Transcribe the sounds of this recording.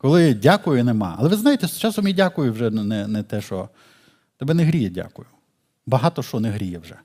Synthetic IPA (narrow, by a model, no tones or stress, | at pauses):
kɔlˠɪdʲakʊjʊnemɑ̰ɐ̰lˠɛʋɪznajet̪ɛst͡ʃɑsɔmʲidʲakʊjʊwʒɛnɛnɛt̪ɛʃɔ | t̪ɔbɛneɦɾʲijɛdʲa̰kʊjʊ | bɐɦɑt̪ɔʃɔneɦɾʲijɛwʒɛ